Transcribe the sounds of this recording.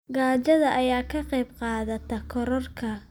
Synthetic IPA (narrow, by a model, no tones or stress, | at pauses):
ɡaːt͡ʃɐðɐʔɐjaːkʰɐqɛjbqɑːðɐt̪ʰɐkʰɔɾɔrkʰɐ